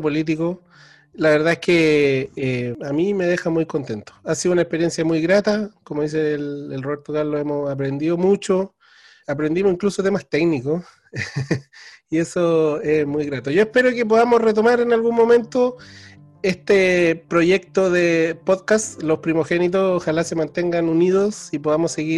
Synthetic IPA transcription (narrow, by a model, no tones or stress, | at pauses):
polit̪̬iko | laβeɾðaehkeeamime̞ðexamujkont̪ent̪o̥asiðunaekpeɾje̞nsjamujɣɾat̪akomoðis̬elelroβeɾt̪oɣaloemosap̬ɾe̞nd̪iðomut͡ʃo | apɾend̪imoiŋklusot̪e̞mast̪eɡniko | ie̞soesmujɣɾat̪oʝo̞ehpe̞ɾokep̬oðamosret̪omaɾenalɣunmo̞me̞nt̪o | est̪epɾoʝe̞k̚t̪oðepoðkast̪lospɾimoxe̞nit̪̬osoxalase̞mant̪eŋɡanuniðosipoðamosːe̞ɣi